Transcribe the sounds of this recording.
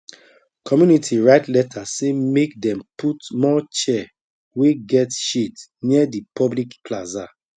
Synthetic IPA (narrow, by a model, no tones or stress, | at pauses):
kʰɔmjunitʰiɹaɪtlɛtʰasemek̚dɛ̃mputmɔt͡ʃɛ | weɡɛtʃitniɛdipʰɔblikklaza